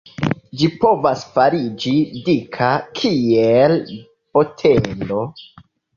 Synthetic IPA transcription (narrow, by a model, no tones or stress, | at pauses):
d͡ʒipo̞vasfaɾid͡ʒidikʰakʰiel | b̥o̞tʰelo̞